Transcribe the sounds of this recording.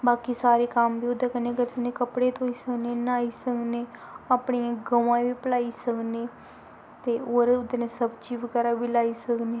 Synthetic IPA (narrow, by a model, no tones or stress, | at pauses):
baːkiːsaːɾeːkəmbiːʊd̪eːkənẽːkəɾsəkneːkəpɽeːt̪oːiːsəkneːnaːiːsəkneːaːpɳijãːɡəʋãːʋiːpəlaːiːsəkneː | t̪eːoːɾʊd̪enẽːsəbt͡ʃiːʋəɡɛːɾaːbiːlaːiːsəkneː